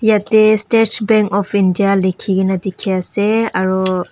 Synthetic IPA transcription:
jatestet͡ʃʰbɛŋkɔpʰindijalekʰiɡinadikʰiaseaɹɔ

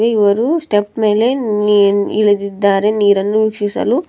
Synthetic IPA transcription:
ʋeiʋɐɾusʈepme̞ːle̞ | ḭɭɐd̪id̪ːaːɾe̞niːɾɐnːuʋikʂisɐ̰lu

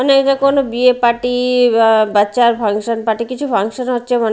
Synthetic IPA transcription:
ɔnekʈakonobiepaʈi | batːɕaɾpʰaŋʃonpaʈikit͡ɕʰupʰaŋʃonɦotːɕʰemɔn

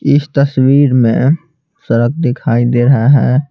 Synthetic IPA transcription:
ɪst̪əswiːɾmẽ | səɾək̚d̪ɪkʰaːid̪eɾəɦeɦɛ̃ː

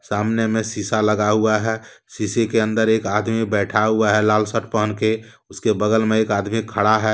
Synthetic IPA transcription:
saːmnemẽsisaləɡaɦuaɦɛː | sisekeə̃nd̪əɾeːkaːd̪mibɛːʈʰaɦuaɦɛlaːlsəʈ̚pəɦənke | ʊskebəɡəlmẽeːkaːd̪mikʰəɽaɦɛː

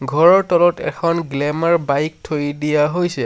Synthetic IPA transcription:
ɡʱɔɹɔɹtɔlɔtɛ̰kʰɔnɡlɛmaɹbajk̚tʰojidijaɦojsɛ

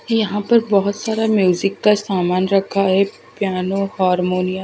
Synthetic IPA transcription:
jɐɦãpɐɾbɐɦʊt̪saːɾamjuːzɪkːasaːmaːnɾɐkʰːaɦɛ | pjaːnohaːɾmoːnijãː

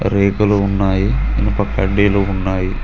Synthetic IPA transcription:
ɾeːkɐluunːaːjiinupɐkːɐɖːeːlounːaːji

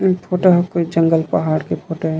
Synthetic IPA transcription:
pʰoːʈoɦɐkoid͡ʒə̃ŋɡəlpɐɦaːɽkepʰoːʈoɦɛ

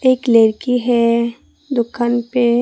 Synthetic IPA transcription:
eːkleːɾkiɦɛ | d̪ʊkʰːanpe

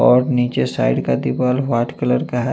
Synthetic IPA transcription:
ɔːɾniːt͡ʃesa̰ːɪɖkad̪ipaːlʋaːʈkələɾkaɦɛ

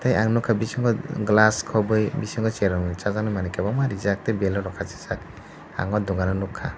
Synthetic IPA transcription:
tʰajaŋnɔkʰabisiŋɡɔɡlaskʰɔbɯjbisɯŋɡɔseɾɔŋnɯt͡ʃazanɯmanikʰabamaɾizak̚tebelɔɾɔkʰasi̥sak̚ | a̰ŋɔduŋanɔnukʰːa

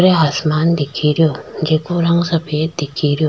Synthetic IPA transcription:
ɾeaːsmaːnd̪ɪkʰiɾijoːd͡ʒeːkoɾãõsɐpʰeːt̪̚d̪ɪkʰiɾijo

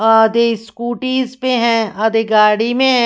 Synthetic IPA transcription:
aːd̪eskuːʈiːzpẽɦɛ̃aːd̪eɡaːɽimẽɦɛ̃

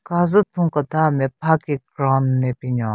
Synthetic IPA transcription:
kazət̪ʰuŋkət̪amepʰakikɾannepiɲa

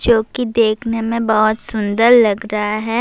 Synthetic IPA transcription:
d͡ʒoːkid̪eːkʰnemẽbɔɦʊt̪sʊ̃nd̪əɾlɐɡɾɐɦaɦɛː

